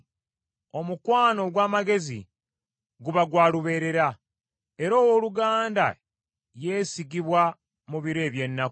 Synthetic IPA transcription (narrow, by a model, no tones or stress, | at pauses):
o̞mukwaːno̞ɡwaːmaɡe̞zḭ | ɡuβaɡwaːluβe̞ːɾe̞ɾa | e̞ɾoːwo̞ːluɡaːnda̰ | je̞ːsiɡiβwa | muβiɾe̞ːβje̞nːak